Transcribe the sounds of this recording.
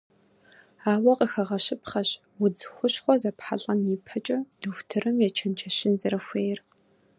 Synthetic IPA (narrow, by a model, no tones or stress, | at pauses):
aːwɐqʼəxɐʁɐɕɪpχɐɕ | wʊd͡zxʷʊɕχʷɔzɐpħa̰ɮʼɐniːpʰɐt͡ʃʼɐd̥ɨxʷtʰɨrɨmjɛt͡ʃʰɐnt͡ʃʰɐɕɪnzɐɾɐxʷeːjr